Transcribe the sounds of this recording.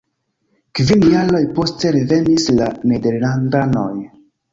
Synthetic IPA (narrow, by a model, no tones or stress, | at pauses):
kvinjaɾojpo̞ste̞ɾeve̞nislanede̞ɾlandano̞̰j